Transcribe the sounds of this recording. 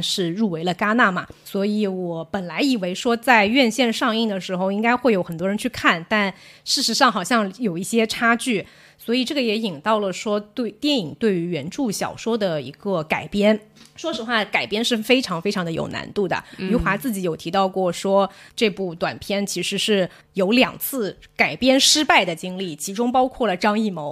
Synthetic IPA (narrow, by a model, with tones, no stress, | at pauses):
ʂɻ̩˥˧ɻu˥˩we˧˥ɪlə˧ka˥na˥˩mɐ˩swɔ˧˥i˧˥˦wɔ˨˩pə˨˩nla˧˥ɪi˨˩we˧˥ɪʂwɔ˥t͡sa˥˧ɪɥɛ˥˧nɕjɛ˥˧nʂɑ˥˧ŋi˥˩ŋd̪ə˩ʂɻ̩˧˥xo˧ʊi˥ŋka˥ɪxwe˥˩ɪjo˧˥ʊxə˨˩nt̪wɔ˥ɻə˧˥nt͡ɕʰy˥˧kʰa˥˩nt̪a˥˧nʂɻ̩˥˩ʂɻ̩˧˥ʂɑ˥˩ŋxɑ˨˩ɕjɑ˥˩ŋjo˨˩ʊi˥˩ɕjɛ˥ʈ͡ʂʰa˥t͡ɕy˥˩ | swɔ˧˥i˨˩ʈ͡ʂɤ˥˩ɡə˩jɛ˧˥i˨˩ŋt̪ɑ˥˩ʊlə˩ʂwɔ˥t̪we˥˩ɪt̪jɛ˥˩ni˨˩ŋt̪we˥˩ɪy˧˥ɥɛ˧˥nʈ͡ʂu˥˩ɕjɑ̰˨˩ʊʂwɔ˥d̪ə˨ḭ˧˥ɡə˥˧ka˨˩ɪpjɛ˥n | ʂwɔ˥ʂɻ̩˧˥xwa˥˩ka˨˩ɪpjɛ˥nʂɻ̩˥˩fe˥ɪʈ͡ʂʰɑ˧˥ŋfe˥ɪʈ͡ʂʰɑ˧˥ŋd̪ə˧jo̰˨˩ʊna̰˧˥nt̪u˥˩d̪ə̰˩y˧˥xwa˧˥t͡sɹ̩˥˩t͡ɕi˧˥jo˨˩ʊt̪ʰi˧˥t̪ɑ˥˧ʊkwɔ˥˩ʂwɔ˥ʈ͡ʂɤ˥˧pu˥˩t̪wa̰˨˩npʰjɛ˥nt͡ɕʰi˧˥ʂɻ̩˧˥ʂɻ̩˥˩ | jo˧˥ʊljɑ̰˨˩ŋt͡sʰɹ̩˥˩ka˨˩ɪpjɛ˥nʂɻ̩˥pa˥˩ɪd̪ə˩t͡ɕi˥ŋli˥˩t͡ɕʰi˧˥ʈ͡ʂʊ˥ŋpɑ˥ʊkʰwɔ˥˩lə˩ʈ͡ʂɑ˥ŋi˥˩mo˧˥ʊ